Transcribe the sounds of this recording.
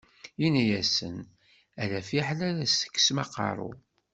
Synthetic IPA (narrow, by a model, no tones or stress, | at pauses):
inæjæsən | æðæfiħlæɾæsə̥kːsmɑqɑ̰ɾˤṵ